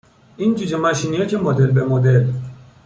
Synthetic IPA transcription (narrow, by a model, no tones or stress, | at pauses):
ind͡ʒud͡ʒemaʃiniecʰemod̪elbemod̪el